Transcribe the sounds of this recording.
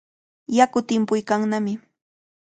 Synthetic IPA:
jakʊt̪ɪmpʊjkaŋnamɪ

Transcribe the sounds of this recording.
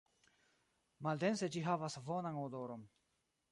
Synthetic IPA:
mald̪ensed͡ʒiɦavasvonanodoɾon

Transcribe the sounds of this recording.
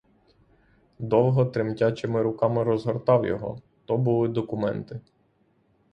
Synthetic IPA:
d̪ɔwɦɔt̪ɾɪmtʲat͡ʃɪmɪɾʊkɑmɪɾɔzɦɔrt̪ɑwjɔ̰ɦɔ̰ | t̪ɔbʊlˠɪd̪ɔkʊmɛ̰nt̪ɪ

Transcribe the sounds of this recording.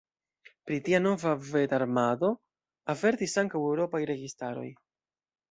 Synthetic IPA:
pɾitiano̞vave̞daɾmado̞ | ave̞ɾtisaŋkawewɾo̞pajɾe̞ɡistaɾo̞̰j

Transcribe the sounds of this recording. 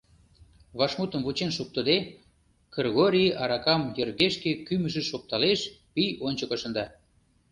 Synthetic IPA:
βɑʃmut̪əmβut͡ɕenʃuk̚t̪ə̆d̪e | krɣoɾʲiʔɑɾɑkɑmjərɣeʃkekyməʒĕʃop̚t̪ɑleʃpijonʲt͡ɕəkoʃə̆nd̪ɑ

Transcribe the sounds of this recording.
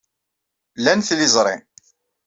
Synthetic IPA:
lænθlɪzˤɾˤḛ

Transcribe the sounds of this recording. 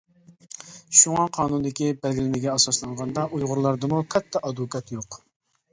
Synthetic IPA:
ʃuŋɑqʰɑːnund̪ɪkʲibælɡʲilɪnɪɡʲɛɑsɑslˠɑɴʁɑnd̪ɑʔujʁʊɾlˠɑɾd̪ɨmukʰɑt̪ʰːɑʔɑd̪ukʰɑt̪joq

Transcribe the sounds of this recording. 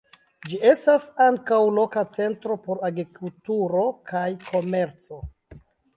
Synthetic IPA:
d͡ʒie̞stasaŋkawlo̞kat͡se̞ntɾo̞po̞ɾaɡɾikultuɾo̞kʰajkʰo̞me̞ɾt͡so̞

